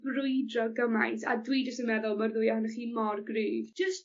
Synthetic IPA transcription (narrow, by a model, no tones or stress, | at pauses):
brʊɨdrɔɡəmajθa̰dwid͡ʒəstənmɛðʊlˠmərðʊjahʊnɛχiːmɔrɡriːvd͡ʒəst